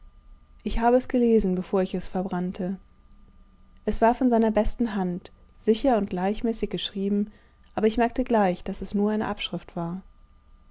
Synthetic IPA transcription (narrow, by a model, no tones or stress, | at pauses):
ʔɪçhaːbəɛsɡ̥əleːzn̩bəfoːɐɪçɛsfɛɐbʁantʰə | ʔɛsv̥aːɐfɔnzaɪnɐbɛstn̩ɦant | z̥ɪçɐʊnt̚ɡ̥laɪçmɛːsɪçɡ̥əʃʁ̥iːbm̩ | ʔaːbɐɪçmɛɐk̚təɡlaɪçd̥asɛsnuːɐʔaɪnə̰ʔapʃʁ̥ɪftv̥aːɐ